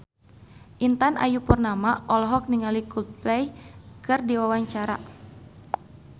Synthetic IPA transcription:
ʔint̪ana̰jupurnamaʔɔlɦɔk̚niŋalikut̪̚plɛjkɨrdiwawaɲt͡ʃaɾa̰

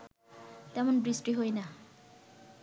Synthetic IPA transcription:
t̪ɛmonbɹisʈiɦojna

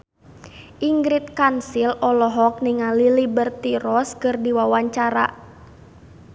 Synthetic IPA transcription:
ʔiŋɡɾit̪̚kansilɔlɔɦɔk̚niŋalilibərt̪iɾɔskɨrdiwawaɲt͡ʃaɾa̰

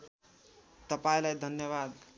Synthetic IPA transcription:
t̪ʌpajlajd̪ʱənjəβad̪

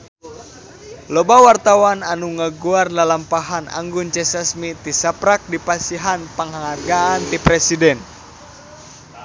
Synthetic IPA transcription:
lɔbawart̪awananuŋəɡuardalampaɦanʔa̰ŋɡʊnt͡ʃɛsasmit̪isapɾak̚dipasiɦanpəŋaŋaɡaant̪ipɾɛsidɛn

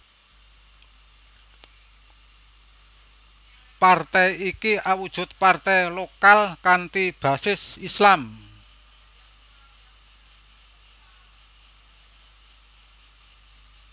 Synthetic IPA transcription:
part̪ɛjikiʔawud̥ʒ̥ʊ̤t̪̚part̪ɛjlokalkant̪ib̥a̤sɪsislam

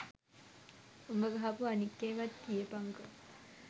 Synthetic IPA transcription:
umbəɡəɦapuanikːeːʋat̪ːijəpaŋkə

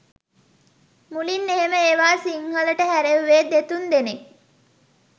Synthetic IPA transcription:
mulinːeɦeməeʋaːsiŋhɐləʈəɦæɾeʋʋeːd̪et̪und̪ene

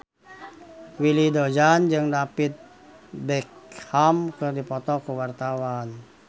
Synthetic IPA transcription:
wilidod͡ʒand͡ʒɨŋdapɪt̪̚ | bɛk̚hamkɨrdipɔt̪ɔkəwart̪awan

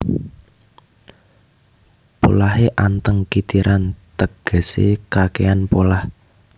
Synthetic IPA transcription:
po̰laɦeʔant̪əŋkit̪iɾʔant̪əɡ̥ə̤sḛkakeanpolah

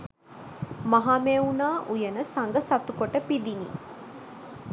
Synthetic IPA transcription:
mɐɦaːmeunaːʔujɐnəsɐŋɡəsɐt̪ukoʈəpid̪inḭː

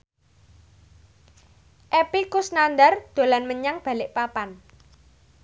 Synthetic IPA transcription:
ʔɛpikʊsnand̪ard̪̥o̤lanməɲaŋb̥ä̤lɪʔpapan

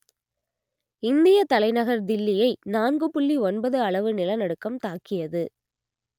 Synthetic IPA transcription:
ɪnd̪ɪjɐt̪ɐlɐɪnɐɣɐɾd̪ɪlːɪjɐɪnaːnɡɯpʊɭːiɔnbɐðɯɐɭɐʋɯnɪlɐnɐɽɯkːɐmt̪aːkːɪjɐðɯ

